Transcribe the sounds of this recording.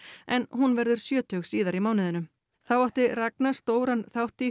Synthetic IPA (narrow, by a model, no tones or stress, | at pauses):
ɛnhunvɛɾðʏɾ̥sjœːt̪ʏɣsiːðaɾimaːwnɪðʏnʏm | θawawht̪ɪraknast̪oːwɾanθawht̪ɪ